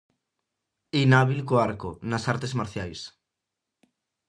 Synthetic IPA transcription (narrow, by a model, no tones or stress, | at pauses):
inaβilkoaɾkonasaɾt̪ezmaɾθjajs